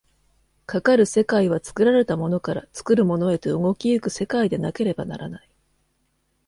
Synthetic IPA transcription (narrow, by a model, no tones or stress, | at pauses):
kakaɾɯ̟se̞kaiβ̞at͡sɨ̥kɯ̟ɾaɾe̞t̪amo̞no̞kaɾa̰t͡sɨ̥kɯ̟ɾɯ̟mo̞no̞e̞t̪e̞ɯŋo̞kʲiɯ̟kɯ̟se̞kaid̪e̞nake̞ɾe̞bana̰ɾanai